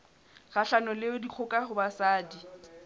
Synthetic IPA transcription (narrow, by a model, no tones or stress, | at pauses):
ɣaɬanɔlɪʊdiq͡χʰʊkʼahʊbasaːdi